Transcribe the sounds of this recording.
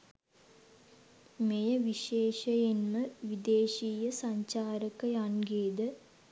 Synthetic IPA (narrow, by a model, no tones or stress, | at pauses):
mejɐʋiʃeːʂɐjenmɐʋid̪eːʃiːjɐsɐɲt͡ɕaːɾɐkːɐjanɡeːd̪ɨ